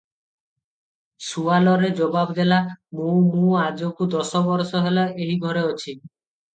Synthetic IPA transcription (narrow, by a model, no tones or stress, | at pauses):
sualɔɾed͡ʒɔbabd̪elamũmũad͡ʒokud̪ɔsɔbɔɾsɔɦelaʔeɦiɡʱɔɾeot͡ʃʰi